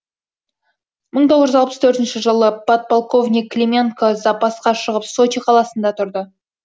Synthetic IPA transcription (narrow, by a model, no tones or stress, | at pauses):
məɴt̪ʰoʁəʒʒəzɑlˠpə̥st̪ʰɵɾt̪ɪnʃɪʒəlˠəbot̪̚polˠko̞vnʲijkːlʲemʲenkozɑpɑsqɑʃəʁəpso̞t͡ʃiqʰɑlˠɑsənd̪ɑt̪ʰʊɾd̪ə